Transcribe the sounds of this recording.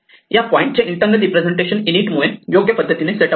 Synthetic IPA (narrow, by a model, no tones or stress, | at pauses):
japɔĩɳʈ̚t͡ɕeʔiɳʈə̃ŋɡəɾipɾed͡zeɳʈeɕəniniːʈmuɭejoɡjəpəd̪ʱːət̪ineseʈə